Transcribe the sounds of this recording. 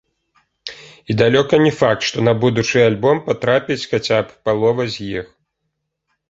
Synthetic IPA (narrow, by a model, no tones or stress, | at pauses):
id̪alʲɔkɐnʲɛfak̚t̪ʂt̪ɔnɐbud̪ut͡ʂɨjalʲbɔmpat̪ɾapʲit͡sʲxat͡sʲappalˠɔvɐzʲjix